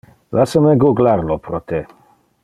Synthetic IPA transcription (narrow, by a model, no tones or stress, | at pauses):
lasəmeɡuɡlaɾlopɾot̪e